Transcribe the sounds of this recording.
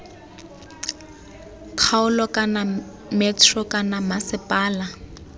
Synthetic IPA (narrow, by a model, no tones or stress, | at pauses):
kʰaʊlɔkʼana | mɛtʰrɔkʼanamasɪpʼaːla